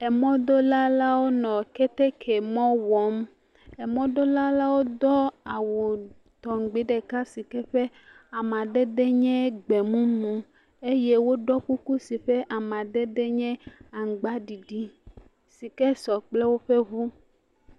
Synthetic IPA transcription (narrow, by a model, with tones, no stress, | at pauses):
ɛ˨mɔ̃˦d̪o˦la˦la˦wo˦nɔ̃˨kɛ˦t̪ɛ˦kʰɛ˨mɔ̃˦wɔ˨˦m | ɛ˨mɔ̃˦d̪o˦la˦la˦wo˦d̪ɔ˦a˨wu˨ | t̪ɔ˨ŋ˨ɡ͡be˨˦ɖɛ˨ka˦si˨kɛ˦ɸɛ˦ | a˨mã˨ɖɛ˦ɖɛ˦ɲɛ̃˦ɡ͡bɛ˨mũ˦nũ˨ | e˦jɛ˦wo˦ɖɔ˦ku˦ku˦si˨ɸɛ˦ʔa˨mã˨ɖɛ˦ɖɛ˦ɲɛ̃˦a˨ŋ˨ɡ͡ba˦ɖi˨ɖi˦ | si˨kɛ˦sɔ˨k͡plɛ˦wo˦ɸɛ˦ɦu˦